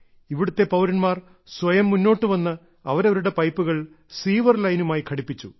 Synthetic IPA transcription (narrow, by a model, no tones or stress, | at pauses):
iʋiɽut̪ːe̞pɐwɾɐɳmaːr | sʋɐjɐmːunːo̞ːʈːɨʋɐnːɐ | ɐʋɐɾɐʋɐɾuɽe̞pɐjpːuɣɐɭ | siːʋɐrlɐjnumaːjikʰɐɽipːit͡ɕːu